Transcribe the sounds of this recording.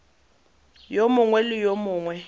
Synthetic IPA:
jomʊŋwɛlɪjomʊːŋwɛ

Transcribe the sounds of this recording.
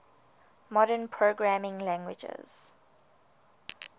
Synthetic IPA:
mɔɾənpʰɹoɡɹamɪ̃ŋlæ̃ŋɡwɪ̰d͡ʒɛ̰z̥

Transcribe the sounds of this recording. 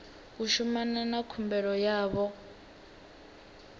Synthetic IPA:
uʃumananakʰumbɛɺɔjaːβɔ

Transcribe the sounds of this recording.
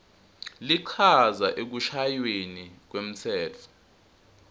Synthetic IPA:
liǃʰazaʔek̬uʃajwenik̬wem̩t͡sʰɛːt͡fʰɔ̥

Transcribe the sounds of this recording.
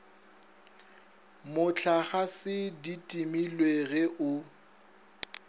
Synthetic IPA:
mʊt͡ɬʰaχasɪditʼimilweɣɛʔʊ

